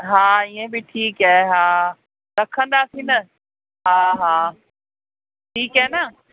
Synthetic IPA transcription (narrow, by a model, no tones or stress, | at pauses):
ɦaːiːẽbɪʈʰiːkaːeɦãː | ɾɐkʰə̃nd̪asinɐ | ɦaːɦaː | ʈʰiːkɦaːnɐ